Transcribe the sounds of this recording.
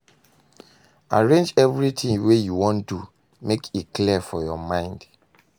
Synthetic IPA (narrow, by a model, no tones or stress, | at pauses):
aɹẽnd͡ʒɛvɹitʰĩŋwejuwɔ̃ndu | mekʰitklifɔjɔmãɪ̃nd̥